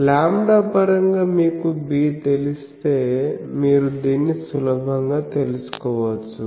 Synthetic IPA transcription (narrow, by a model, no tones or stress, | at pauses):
laːmɖaːpɐɾɐŋɡaːmiːkubiːt̪elist̪e̞ːmiːɾud̪iːnːisulɐbʱɐŋɡaːt̪e̞lusu̥kɔːʋɐt͡ʃːu